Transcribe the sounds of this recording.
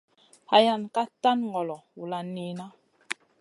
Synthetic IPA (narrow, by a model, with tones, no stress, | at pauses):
ha˨ja˨nka˦ta˦nŋɡɔ˨lɔ˨wu˨la˨ni˨na˦